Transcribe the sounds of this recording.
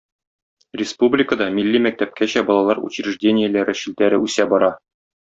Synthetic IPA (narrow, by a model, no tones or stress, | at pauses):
rʲɪspublʲɪkəd̪ɑmilʲːimæk̚t̪æp̚kæɕæbɒlˠɑlˠɑɾṵt͡ɕɾʲiʐdʲenʲɪjɘ̆læɾɘɕilt̪æɾɘʉsæbɒɾɑ